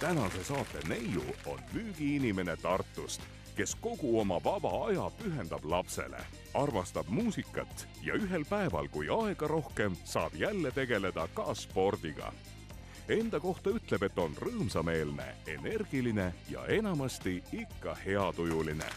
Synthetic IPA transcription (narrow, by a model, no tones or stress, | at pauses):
t̪ænɑse̞sɑːt̪ːˑe̞ne̞jṵo̞̰nmyːɡ̥iinime̞ne̞t̪ɑrt̪ːˑust̪ | ke̞sko̞ɡ̥uo̞mɑvɑb̥ɑɑjɑpyɦe̞nd̪̥ɑb̥lɑpse̞̰lḛ | ɑrmɑst̪ɑb̥muːsikːˑɑ̰t̪ː | jɑ̰yɦe̞lpæe̞vɑ̰lkujɑe̞ɡ̥ɑɾo̞hke̞msɑːb̥jælːe̞t̪e̞ɡ̥e̞le̞d̪̥ɑkɑspo̞rd̪̥iɡ̥ɑ̰ | e̞nd̪̥ɑko̞ht̪ɑyt̪ːˑle̞be̞t̪ːo̞nrɤːmsɑme̞ːlne̞̰e̞̰ne̞rɡ̥iline̞jɑ̰e̞nɑmɑst̪iikːɑhe̞ɑt̪ujulinḛ